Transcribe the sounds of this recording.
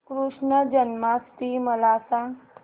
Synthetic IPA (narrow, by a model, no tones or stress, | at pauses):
kɾuʂɳəd͡ʒənmaːst̪iːmɐlaːsãːŋ